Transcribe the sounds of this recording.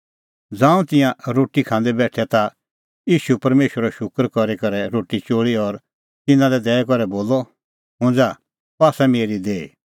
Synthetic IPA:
d͡zãːũt̪ɪ̃jãɾoːʈikʰãːnd̪ɛbɛːʈʰɛt̪a | iːʃupɐɾmeːʃəɾɛʃʊkəɾkɔɾekɐɾɛɾoːʈit͡ʃoːɭiɔɾ | t̪ɪnãlɛd̪ɛːɛkɔɾɛboːlɔ | ɦʊ̃ːnd͡za | paːsɛmeːɾid̪eːi

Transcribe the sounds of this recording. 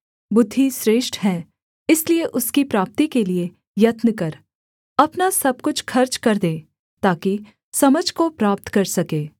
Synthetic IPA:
bʊd̪ʱːisɾeːʃʈɦɛː | ɪslieʔʊskipɾaːp̚t̪ikelie | jɐt̪nəkɐɾ | ɐpnasɐb̚kʊt͡ʃʰkʰɐɾt͡ʃkɐɾd̪ẽː | t̪aːki | sɐməd͡ʒʱkopɾaːp̚t̪kɐɾsɐkeː

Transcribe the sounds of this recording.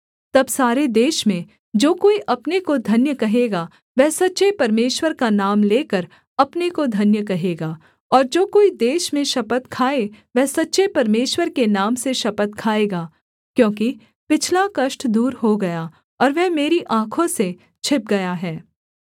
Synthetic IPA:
t̪ɐbsaːɾed̪eːʃmẽ | d͡ʒoːkoːiʔɐpnekod̪ʱɐnjəkɐɦeːɡa | ʋɛɦsɐtːʃepɐɾmeːʃwəɾkanaːmleːkəɾ | ɐpnekod̪ʱɐnjəkɐɦeːɡaː | ɔːɾd͡ʒoːkoːid̪eːʃmẽʃɐpət̪kʰaːeʋɛɦsɐtːʃepɐɾmeːʃwəɾkenaːmseʃɐpət̪̚kʰaːeːɡaː | kjõːki | pɪt͡ʃʰlakɐʃʈd̪uːɾɦoɡɐja | ɔːɾʋɛɦmeːɾiʔãːkʰõse | t͡ʃʰɪp̚ɡɐjaɦɛː

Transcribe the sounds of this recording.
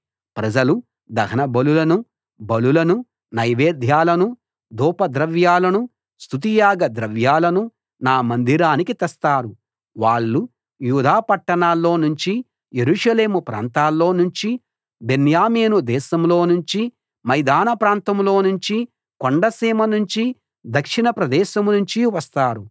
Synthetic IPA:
pɾɐd͡ʒɐlu | d̪ɐɦɐnɐbɐlulɐnu | bɐlulɐnu | nɐjʋeːd̪ʱjaːlɐnu | d̪ʱuːpɐd̪ɾɐʋjaːlɐnu | st̪ut̪̬ijaːɡɐd̪ɾɐʋjaːlɐnu | naːmɐnd̪iɾaːnikit̪ɐst̪aːɾu | ʋaːɭːu | juːd̪ʱaːpɐʈːɐɳaːlːo̞ːnuɲt͡ʃi | je̞ɾuʂɐle̞ːmupɾa̰ːnt̪aːlːo̞ːnuɲt͡ʃi | be̞njaːmeːnud̪ɛːʃɐmlo̞ːnuɲt͡ʃi | mɐjd̪aːnɐpɾaːnt̪ɐmlo̞ːnuɲt͡ʃi | koɳɖɐsiːmɐnuɲt͡ʃi | d̪ɐkʂinɐpɾɐd̪ɛːʃɐmnuɲt͡ʃiʋɐst̪aːɾu

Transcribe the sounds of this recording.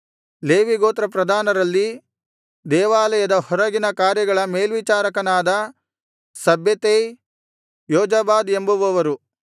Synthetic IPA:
leːʋiɡoːt̪ɾɐp̬ɾɐd̪ʱaːnɐɾɐlːi | d̪ɛːʋaːlɐjɐd̪ɐhɔɾɐɡinɐkaːɾjɐɡɐɭɐmeːlʋit͡ʃaːɾɐkɐnaːd̪ɐ | sɐbʱjɐt̪e | jɔːd͡ʒɐbaːd̪embuʋɐʋɐɾu

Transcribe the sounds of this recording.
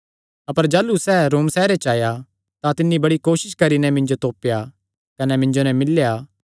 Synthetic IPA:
ɐpəɾd͡ʒaːlusɛːɾoːmsɛːɾet͡ʃaːja | t̪ãt̪ɪnːibɐɽikoːʃɪʃkɐɾinɛmɪ̃nd͡ʒot̪oːpja | kɐnɛmɪ̃nd͡ʒonɛmɪlːjaː

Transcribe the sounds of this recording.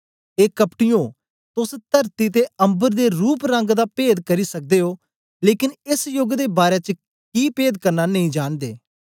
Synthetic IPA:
eːkəpʈɪjõː | t̪ʊst̪əɾt̪it̪̬eə̃mbəɾd̪eɾuːpɾə̃ŋɡd̪aːpeːd̪kɐɾisɐk̚d̪eːɦoː | leːkɪnɪsjʊɡd̪eːbaːɾet͡ʃ | kiːpeːd̪kɐɾnanəɦĩd͡ʒaːnd̪ḛː

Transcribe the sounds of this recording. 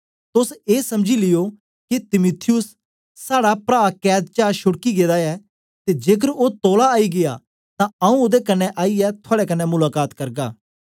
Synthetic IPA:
t̪ʊseːsɐmd͡ʒilɪjo | kit̪ɪmʊt̪ʰɪjʊsː | aːɽapɾaːkɛːd̪̚t͡ʃaːɾʃʊɽkiɡeːd̪aɛː | t̪ed͡ʒeːk̬əɾot̪oːlaːiɡɪja̰ | t̪ãɐũod̪ekɐnːɛʔaːiɛt̪ʰʊaːɽekɐnːɛmʊlaːkaːt̪kɐɾɡa̰ː

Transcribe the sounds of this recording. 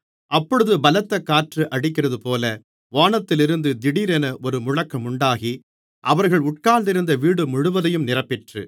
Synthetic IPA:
ʔɐpːɔɻɯðɯbɐlɐt̪ːɐkːaːʈrɯʔɐɽɪk̬ːɪrɐðɯpoːlɐ | ʋaːɳɐt̪ːɪlɪɾɯnd̪ɯd̪ɪɽiːɾɛnɐʔɔɾɯmʊɻɐkːɐmʊɳɖaːɣi | ʔɐʋɐɾɣɐɭʊʈ̚kaːnd̪ɪɾɯnd̪ɐʋiːɽɯmʊɻɯʋɐðɐjɯmnɪrɐpːɪʈrɯ̰

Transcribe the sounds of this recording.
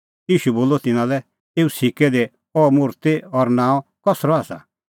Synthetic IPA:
iːʃuboːlɔt̪ɪnãlɛ | eːusikɛd̪e | ɔmʊːɾt̪eɔɾnãːɔ̃kɔsɾɔaːsa̰

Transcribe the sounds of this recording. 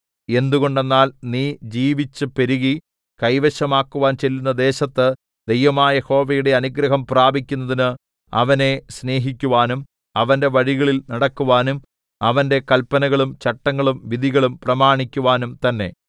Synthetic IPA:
e̞nd̪uɣo̞ɳɖe̞nːaːlniːd͡ʑiːʋit͡ɕːɨpe̞ɾuɣi | kɐjʋɐɕɐmaːkːuʋaːnt͡ɕe̞lːunːɐd̪eːɕɐt̪ːɨ | d̪̥ejʋɐmaːjɐjeho̞ːʋɐjuɽe̞ɐnuɡɾɐɦɐmpraːbʱikʲːunːɐðinɨ | ɐ̰ʋɐne̞sne̞ːɦikʲːuʋaːnum | ɐʋɐnde̞ʋɐɻiɣɐɭilnɐɽɐkːuʋaːnum | ɐʋɐnde̞kɐlpːɐnɐɣɐɭumt͡ɕɐʈːɐŋːɐɭumʋid̪ʱiɣɐɭumprɐmaːɳikʲːuʋaːnumt̪ɐnːe̞̰

